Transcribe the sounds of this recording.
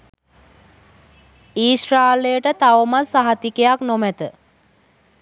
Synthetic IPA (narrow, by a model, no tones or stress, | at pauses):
iːsraːlejəʈət̪aʋəmalsaɦat̪ikejaknomæt̪ə